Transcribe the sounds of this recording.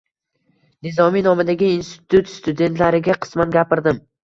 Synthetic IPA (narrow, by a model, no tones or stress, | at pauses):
nɪzɒminɒmɪd̪aɡʲɪinst̪ɪ̥t̪ʰut̪st̪ʊd̪e̞nt̪ʰlaɾɪɡʲaqʰɨ̥smanɡʲapɪɾd̪ɪm